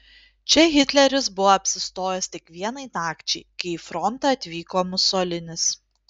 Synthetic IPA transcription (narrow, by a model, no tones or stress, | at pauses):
t͡ʃʲɛɣʲɪt̪ʲlʲɛɾʲɪs̬bʊʋoɐpʲsʲɪst̪oːjɛst̪ʲɪkʋʲiɛnɐɪnɑːkt͡ʃʲɛɪkɐɪifɾɔnt̪ɑɐt̪ʲʋʲiːkoːmʊsoːlʲɪnʲɪs